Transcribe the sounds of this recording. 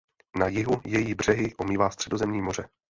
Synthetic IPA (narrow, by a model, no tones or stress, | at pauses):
najɪɦujɛjiːbr̝̥ɛɦɪʔomiːvaːst̪r̥ɛdo̞zɛmɲiːmo̞r̝ɛ